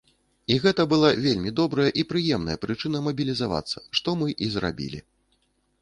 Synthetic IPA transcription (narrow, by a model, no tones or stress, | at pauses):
iɣɛt̪ɐbɨlˠavʲelʲmʲid̪ɔbɾɐjɐʔipɾɨjɛmnɐ̰jɐpɾɨt͡ʂɨn̪ɐmɐbʲilʲizava̰t̪sːɐ̰ʂt̪ɔmɨʔizra̰bʲḭlʲḭ